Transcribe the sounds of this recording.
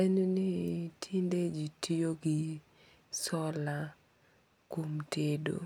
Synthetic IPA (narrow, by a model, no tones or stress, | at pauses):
enunɪtʰinded͡ʒitʰijoɡɪ | sɔla | komtʰedo̰